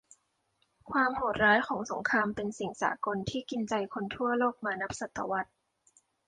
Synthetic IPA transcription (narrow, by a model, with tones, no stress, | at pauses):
kʰwaː˧mho˨˩t̪̚ɾaː˦˥jkʰɔː˩˦ŋso˩˦ŋkʰaː˧mpe˧nsi˨˩ŋsa̰ː˩˦ko˧nt̪ʰiː˥˩ki˧nt͡ɕa˧jkʰo˧nt̪ʰu˥˩ɐloː˥˩k̚maː˧na˦˥p̚sa˨˩t̪ːa̰˧wa˦˥t̪̚